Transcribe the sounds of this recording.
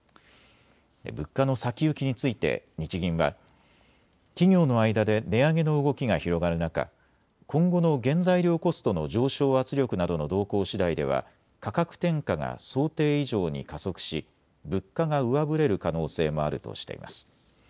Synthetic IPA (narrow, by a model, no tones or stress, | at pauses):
d̪ḛbɯ̟kːano̞sakʲiɯ̟kʲiɲ̟it͡sɨit̪e̞̰ɲ̟it͡ɕiɡʲĩɰ̃βa̰ | kʲiɡʲo̞ːno̞aid̪ad̪e̞ne̞aɡe̞no̞ɯ̟ɡo̞kʲiɡaçiɾo̞ɡaɾɯ̟naka̰ | kõ̞ŋɡo̞no̞ɡẽ̞nd͡zaiɾʲjo̞ːko̞sɨ̥t̪o̞no̞ʑo̞ːɕo̞ːat͡sɨɾʲo̞kɯ̟nad̪o̞no̞d̪o̞ːko̞ːɕid̪aid̪e̞̰β̞a̰ | kakakɯ̟̥t̪ẽ̞ŋkaŋa̰so̞ːt̪e̞ːiʑo̞ːɲ̟ḭkaso̞kɯ̟̥ɕḭ | bɯ̟kːaɡaɯ̟βabɯ̟ɾe̞ɾɯ̟kano̞ːse̞ːmo̞aɾɯ̟t̪o̰ɕi̥t̪e̞̰ḭma̰sɨ̥